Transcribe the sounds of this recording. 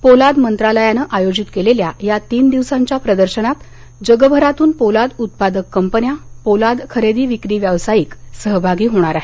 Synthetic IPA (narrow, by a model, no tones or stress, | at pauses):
polad̪mənt̪ɾaləjanəʔajod͡ʑit̪keleljajat̪iːnd̪iʋsãɲt͡ɕjapɾəd̪əɾɕənat̪ | d͡ʑəɡəbʱəɾat̪uːnpolad̪ut̪̚pad̪əkːəmpənjapolad̪kʰəɾed̪iːʋikɾiːʋjəʋsajiːksəɦbʱaɡiːɦoɽ̃aɾaɦe